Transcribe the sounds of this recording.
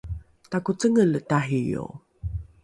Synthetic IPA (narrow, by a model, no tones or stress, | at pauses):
takut͡səŋələtaɦijo̰